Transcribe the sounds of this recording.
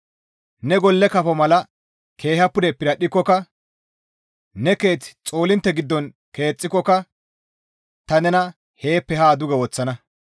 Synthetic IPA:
nɛɡɔlːɛkɐfɔmɐlɐ | kʰe̞ːhɐpːʊd̪ɛpːɪɾɐɗɪkːɔkɐ | nɛke̞ːt͡st͡sʼo̞ːlɪnt̪ːɛɡɪd̪ːɔn | ke̞ːt͡sʼːɪkːɔkːɐ | t̪ɐnɛnɐ | he̞ːpːɛɦaːd̪ʊɡɛwɔt͡sːɐnɐ

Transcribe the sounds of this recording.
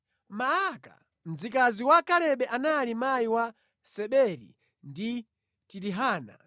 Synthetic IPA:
maaka̰ | m̩zikaziwakalɛɓɛʔanalimajiwa | sɛɓɛɾḭ | ndi | tiɾiɦaːna̰

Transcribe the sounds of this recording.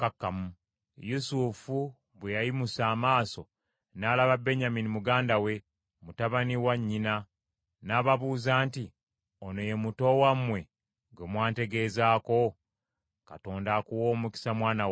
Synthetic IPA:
kakːamu | jusufu | βwejajimusaːmaːso̞ | naːlaβabe̞ɲaminimuɡaːndawe̞ | mutaβaniwaɲːina | naːβaβuːzaːnti | ono̞je̞muto̞wamwe̞ | ɡemwaːnte̞ɡe̞ːzaːko̞ | kato̞ːndakuwo̞ːmuki̥samwaːnaw

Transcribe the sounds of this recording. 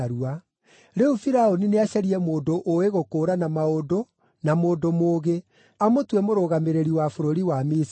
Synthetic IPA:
ɾua | ɾeufiɾaonineaɕɛɾiɛmoːdoʔoeɣokoːɾanamaodo | namoːdomoːɣe | amotwɛmoɾoɣameɾeɾiwafoɾoɾiwamis

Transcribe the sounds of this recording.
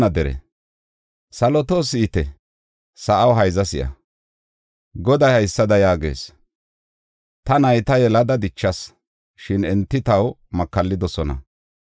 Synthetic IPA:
nɐd̪ɛɾɛ̰ | sɐlɔt̪o̞ːsɪːt̪ɛ | sɐʔɐwɦɐjzɐsɪʔɐ̰ | ɡɔd̪ɐjhɐjsːɐd̪ɐjaːɡe̞̰ːs | t̪ɐnɐjt̪ɐjɛlɐd̪ɐd̪ɪt͡ʃːɐs | ʃɪnɛnt̪ːɪt̪ɐw | mɐkːɐlːɪd̪ɔsɔnɐ̰

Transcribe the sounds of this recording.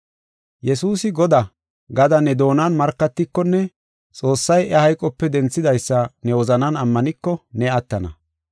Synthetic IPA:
jɛsuːsɪɡɔd̪ɐ | ɡɐd̪ɐnɛd̪o̞ːnɐnmɐɾkːɐt̪ːɪkːɔnːɛ | t͡sʼo̞ːsːɐjʔɛhɐjkʼɔpːɛd̪ɛnt͡sːɪd̪ɐjsːɐnɛwɔzɐnɐnɐmːɐnɪkːɔnɛɐt̪ːɐnɐ̰

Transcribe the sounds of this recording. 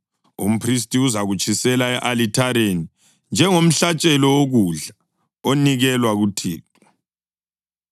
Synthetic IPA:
ṵm̩pʰris̬tʼiuzaɣut͡ʃʼisɛlaɛʔalitʰaɾeni | nd͡ʒʱɛŋom̩ɬat͡ʃʼɛlɔwoɣuɮa | oniɣɛlwaɣutʰiːtʼu̥

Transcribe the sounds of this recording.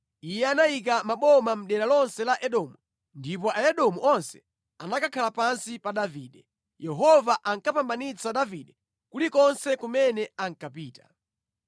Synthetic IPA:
ijɛanajik̬amaɓɔmam̩ɗɛlalɔnsɛlaʔɛɗɔmu | ndipɔaɛɗɔmuʔɔnsɛ̥ | anakakʰalapansipaɗaviːɗɛ | jɛɦɔvaʔaŋkapambanit͡saɗaviɗɛ | kulikɔnsɛkumɛnɛaŋ̩kap̬iːtḁ̰

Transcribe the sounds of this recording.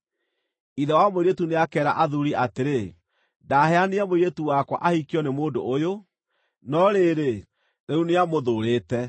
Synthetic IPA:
iðɛwamoɾietuneakɛːɾa̰ʔaðuɾiateɾe | daːhɛaniamoɾetuwakwa̰ʔahikiɔnemoːdo̰ʔːjo | nɔɾeːɾe | ɾeuneamoðoɾeːtɛ

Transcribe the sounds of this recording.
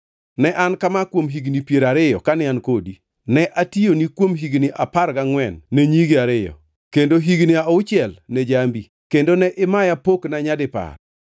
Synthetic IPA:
nɛʔankamakwomɦiɡnipjeɾaɾɪjɔ̰kanɪankodi | nɛʔationikwomɦiɡnɪʔapaɾɡaŋwɛnːeɲiɡiaɾɪjɔ̰ | kendoɦiɡnɪaoʊt͡ʃɪɛlnɛd͡ʒambi | kendonɛʔɪmajapoknaɲadɪpa̰r

